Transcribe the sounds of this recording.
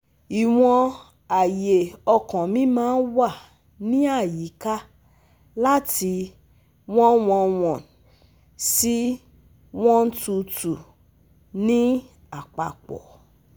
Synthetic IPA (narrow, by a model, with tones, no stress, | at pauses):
i˨w̃ɔ̃˧ | a˨je˨ɔ˧kɔ̃˨mĩ˦mãː˦n̩˦wa˦˨ | nĩ˦a˦˨ji˨˦ka˦ | la˦ti˧ | w̃ɔ̃˦w̃ɔ̃˧w̃ɔ̃˨ | si˦ | w̃ɔ̃˦n̩˦tu˧tu˨ | nĩ˦ | a˦˨k͡pa˨k͡pɔ̰˨